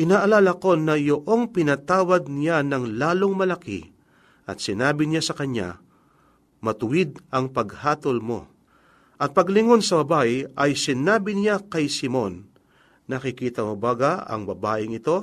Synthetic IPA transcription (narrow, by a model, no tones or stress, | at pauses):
ʔɪnaːʔɐlaːlɐko̞nɐjoʔo̞ŋpɪnɐt̪aːwɐd̪̚nɪjanɐŋlaːlo̞ŋmɐlɐkḭ | ʔɐt̪sɪnaːbɪnɪjasɐkɐɲa̰ | mɐt̪ʊwɪd̪̚ɐŋpɐɡhaːt̪olmo̞̰ | ʔɐt̪̚pɐɡlɪŋo̞nsɐbɐbaʔɪʔɐjsɪnaːbɪnɪjakɐjsɪmo̞nː | ɐkɪkiːt̪ɐmobaɡaɐ̰ŋbɐbaːʔɪŋɪt̪o̞